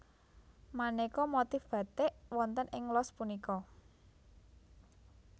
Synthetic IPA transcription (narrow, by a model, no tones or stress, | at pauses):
manekɔmot̪ifb̥ä̤t̪eʔwɔnt̪ənʔɪŋlɔspunikɔ